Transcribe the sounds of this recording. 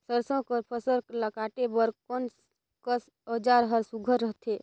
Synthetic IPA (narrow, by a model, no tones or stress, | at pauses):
səɾsõkəɾpʰəsəɾkləkaʈebəɾkon | kəs | əd͡ʒaɾɦəɾsuɡʱəɾːəɦt̪ʰe